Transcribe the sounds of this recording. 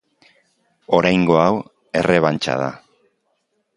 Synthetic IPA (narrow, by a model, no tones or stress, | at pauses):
o̞ɾajŋɡo̞aw | e̞re̞β̞ant͡ʃa̰ð̞a̰